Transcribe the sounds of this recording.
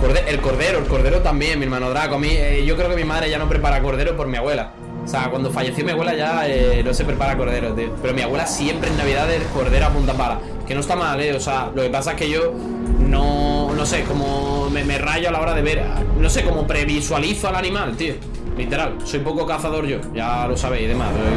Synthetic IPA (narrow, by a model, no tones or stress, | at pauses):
koɾðeʔelko̞ɾðe̞ɾoelko̞ɾðe̞ɾot̪ambje̞ŋmieɾmãnoðɾakoamĩeʝo̞kɾeoke̞mimaðɾe̞ʝano̞pɾe̞p̬aɾako̞ɾð̞e̞ɾopo̞ɾmiaɣwe̞la | seakwand̪o̞faʝe̞θjomiaɣwe̞laʝaenose̞pɾe̞paɾako̞ɾð̞e̞ɾot̪iope̞ɾo̞miaɣwe̞lasje̞mpɾeenːaβiðaðeko̞ɾðe̞ɾoapũnt̪apaɾa | kenoest̪amale̞osealo̞ke̞pasaeke̞ʝo̞ | nono̞se̞ko̞momemeraʝoalao̞ɾaðe̞βe̞ɾno̞se̞ko̞mopɾe̞βiswaliθoalanĩmalt̪io | lit̪e̞ɾalso̞jpo̞kokaθaðo̞ɾʝo̞ʝalo̞saβ̞eiðe̞ma̰peo